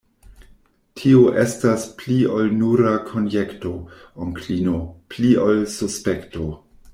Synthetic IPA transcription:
tʰioʔestaspliolnuɾakʰonjekto̞oŋkʰlinopliolsuspekto

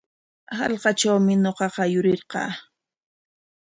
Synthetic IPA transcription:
hɑ̰lqɑt͡ʃawmɪnoqɑqɑjʊɾɪɾqɑ̰ː

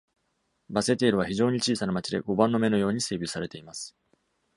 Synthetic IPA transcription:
base̞t̪e̞ːɾɯ̟β̞açiʑo̞ːɲ̟it͡ɕiːsanamat͡ɕid̪e̞̰ɡo̞bãnːo̞me̞no̞jo̞ːɲ̟ise̞ːbʲit͡ssaɾe̞t̪e̞imasɨ̥

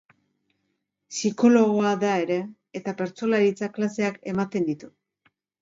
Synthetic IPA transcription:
siko̞lo̞ɣo̞aðae̞ɾe̞ː | t̪ape̞ɾt͡so̞laɾit͡saklase̞ake̞mat̪e̞nd̪it̪u

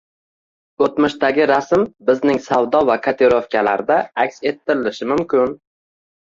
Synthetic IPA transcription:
ɵt̪mɪʃt̪aɡʲɪɾasmbɪznɪŋsawd̪ɒvakʰat̪ʰeɾofkʲʰalaɾd̪aakʲse̞t̪ʰːɪɾɪlɪʃɪmʊmkʲʰɪn

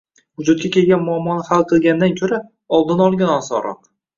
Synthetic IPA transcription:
vʊd͡ʒʊt̪̚kʲakʲe̞lˠɡʲanmʊamːɒnɪhalˠqʰɨlˠɡʲanɪd̪ankʲʰɵɾa | ɒlˠd̪ɪnɒlˠɡʲanɒsɒ̰ɾɒ̰q

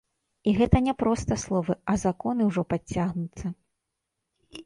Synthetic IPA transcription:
iɣɛt̪ɐnʲɛpɾɔst̪ɐslˠɔvɨɐzakɔnɨwʐɔpat͡sʲːaɣnut̪sːɐ

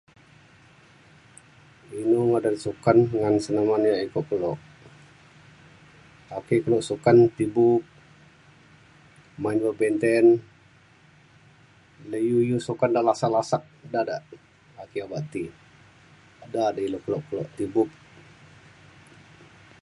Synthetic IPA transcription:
inuŋadansukanŋansənamanjaʔikuʔkəlɔʔ | akikəlɔʔsukant̪ibup̚ | mainbəbɛnt̪ɛn | ləjujusukandaʔlasaʔlasak̚dadaʔ | akiabaʔt̪i | dadailokəlɔʔkəlɔʔt̪ibup̚

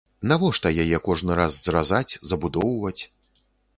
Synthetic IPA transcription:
navɔʂt̪ɐjajɛkɔʐnɨɾazzrazat͡sʲzɐbud̪ɔwvɐt͡sʲ

